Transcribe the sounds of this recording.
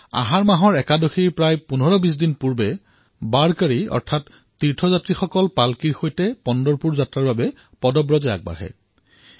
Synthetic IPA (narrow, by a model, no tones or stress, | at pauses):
a̰ɦaɹmaɦɔɹɛkadoxiɹpɹajpunɔɹɔbis̬dinpuɹbɛ | baɹkaɹiɔ̰ɹtʰatː | iɹtʰɔzatɹixɔkɔlpalkiɹxojtɛpɔndɔɹpuɹzatɹaɹbabɛ | pɔdɔbɹɔzɛa̰k̚ba̰ɹɦɛ̰